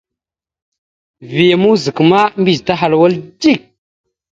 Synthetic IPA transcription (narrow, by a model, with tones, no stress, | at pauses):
vi˨ja˨mu˦zi˨kma˦mbi˨d͡ʒta˦ɦa˨lwa˦ld͡ʒi˦˨k̚